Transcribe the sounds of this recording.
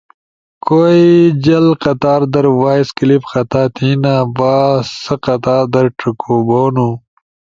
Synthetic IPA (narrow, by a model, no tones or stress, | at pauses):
kʰoːid͡ʑɐlqɐt̪aːɾd̪ɐɾwaːjskilipxɐt̪aːt̪ʰiːnaːbaːsɐqɐt̪aːd̪ɐɾʈukʰoːboːnu